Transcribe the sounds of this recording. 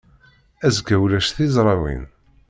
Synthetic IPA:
æzɡæwlæʃθizˤɾˤɑwḭn

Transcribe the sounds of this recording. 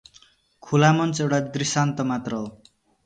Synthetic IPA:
kʰulamʌnt͡sewʈad̪risant̪ʌmat̪rʌ

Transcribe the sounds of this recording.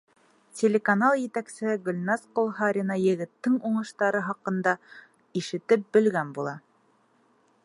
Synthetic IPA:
tʲelʲekanalˠjɘ̆t̪æksɘ̆hɘɡɵlʲnɑsqolˠɦɑɾʲɪnɑjɘ̆ɡɘ̆t̪ːɘŋuɴɤ̆ʃt̪ɑɾɤɦɑqɤ̆nd̪ɑ | iʃɘ̆t̪ɘp̚bɘ̆lɡænbulˠɑ

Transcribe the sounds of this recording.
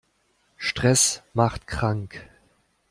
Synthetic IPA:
ʃtʁ̥ɛsmaχtkʰʁ̥aŋk

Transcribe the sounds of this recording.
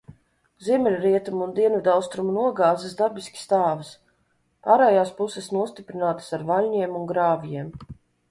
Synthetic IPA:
ziɛmɛlʲɾiɛt̪umund̪iɛnvid̪awst̪ɾumunuɔɡaːzɨsd̪aɾbiskʲi̥st̪aːvɨs | paːɾɛːjaːspusɛsnuɔst̪ipɾinaːt̪ə̥saɾvalʲɲiɛmuŋɡɾaːvjiɛm

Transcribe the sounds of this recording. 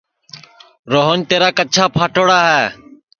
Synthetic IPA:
ɾoːɦənt̪eːɾaːkət͡ʃʰaːpʰaːʈoːɽaːɦɛː

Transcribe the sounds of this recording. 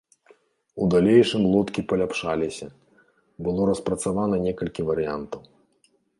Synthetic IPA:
ud̪alʲejʂɨmlˠɔt̪kʲipɐlʲapʂalʲisʲɐ | bɨlˠɔɾɐspɾɐt̪savanɐnʲɛkɐlʲkʲivɐɾɨja̰nt̪ɐw

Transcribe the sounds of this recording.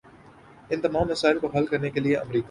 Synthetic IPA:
ɪ̃nt̪ɐmaːmːɐsaːɪlkoɦɐlkɐɾnekelieʔɐ̰mɾiːka

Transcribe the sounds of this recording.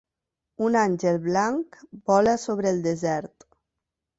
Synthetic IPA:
unanʲʒelˠβlaŋkbɔlasoβɾeːlˠd̪ezɛɾt̪

